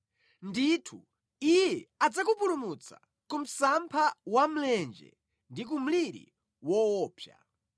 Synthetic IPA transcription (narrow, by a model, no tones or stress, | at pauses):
nditʰu | ijɛad͡zakupuɾumut͡sa̰ | kum̩sampʰawam̩lɛnd͡ʒɛ̰ | ndik̬um̩liɾḭ | wɔwɔːpʰja̰